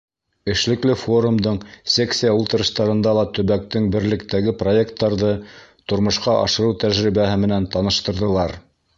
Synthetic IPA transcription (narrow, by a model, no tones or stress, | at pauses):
ɘ̆ʃlɘ̆klɘfo̞ɾumd̪ɤɴsʲeksʲijaulˠt̪ɤ̆ɾɤ̆ʃt̪ɑɾɤ̆nd̪ɑlˠɑt̪ɵ̆βæk̚t̪ɘŋbɘ̆ɾlɘ̆kt̪æɡɘpro̞je̞kt̪ːɑɾðɤt̪ŏɾmɤ̆ʃqɑʔɑ̰ʃɤ̆ɾɤwt̪æʒɾiβæɦɘmɘ̆nænt̪ɑnɤ̆ʃt̪ɤ̆ɾðɤ̆lˠɑɾ